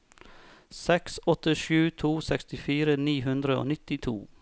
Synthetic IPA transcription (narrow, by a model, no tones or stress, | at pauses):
sɛksɔt̪ɪʃʉːt̪ʰuːsɛkst̪ɪfiːɾəniːɦʉnd̪ɾəo̰ːnɪt̪ɪt̪ʰṵː